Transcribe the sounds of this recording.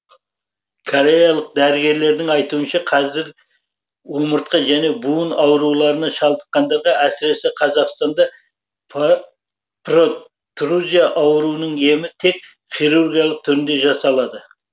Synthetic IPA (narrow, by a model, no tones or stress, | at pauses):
kʰoɾe̞jɑlˠəq̚d̪æɾɪɡʲe̞ɾle̞ɾd̪ɪŋɑjt̪uənʃɑqʰɑzɪɾ | wo̞məɾt̪̚qəʒæne̞buənɑwəɾulˠɑɾənɑʃɑlˠd̪əqːɑnd̪ɑɾʁɑæsɪɾe̞sɪqʰɑzɑqst̪ɑnd̪ɑ | pro | t̪ruzʲijaʔɑwəɾuənəɴe̞mɪt̪ʰe̞k | χʲijɾurɡʲijalˠəq̚t̪ʰʏɾɪnd̪e̞ʒɑsɑlˠɑd̪ə